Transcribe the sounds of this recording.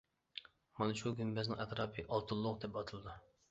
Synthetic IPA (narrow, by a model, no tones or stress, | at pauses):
mɑnɨʃuɡʲynbɛznɪ̰ŋɛt̪ɾɑːpʰɨʔɑlˠt̪ʰulˠːʊqd̪ɛp̚ɑt̪ʰɨlˠɨd̪u